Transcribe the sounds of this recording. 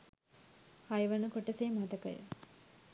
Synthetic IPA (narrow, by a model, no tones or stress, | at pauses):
hajʋɐnəkoʈəseːmat̪ɐkɐ̰jə̰